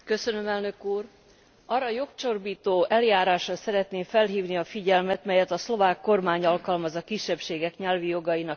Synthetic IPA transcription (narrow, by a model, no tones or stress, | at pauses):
kø̞sønø̞mɛlnø̞kuːr | ɒrːɒjo̞kt͡ʃo̞rbiːt̪oːʔɛljaːɾaːʃrɒsɛɾɛt̪neːɱfɛlɦiːvniɒfiɟɛlmɛt̪mɛjɛt̪ɒslo̞vaːkːo̞rmaːɲɒlkɒlmɒzɒkiʃːɛpʃeːɡɛkɲɛlvijo̞ɡɒjinɒk